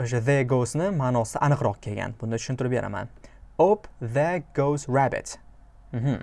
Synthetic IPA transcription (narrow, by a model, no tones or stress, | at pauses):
oʃ̬aðeɡosnɪmanɒsɪʔanɨqɾɒqkʲʰelɡʲa̰nb̥ʊnd̪at̪ʰʊ̥ʃɪnt̪ɪɾɪp̚beɾa̰ma̰nopðeɡosɹabɪ̰t̪ | m̩ɦm̩